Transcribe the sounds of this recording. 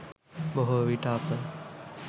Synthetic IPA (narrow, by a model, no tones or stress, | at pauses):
boɦoʋiʈaːpə